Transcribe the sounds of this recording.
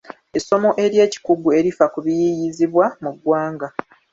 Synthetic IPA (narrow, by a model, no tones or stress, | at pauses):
eso̞mo̞ʔe̞ɾje̞ːci̥kuɡue̞ɾifakuβijijiziβwamuɡwaːŋɡa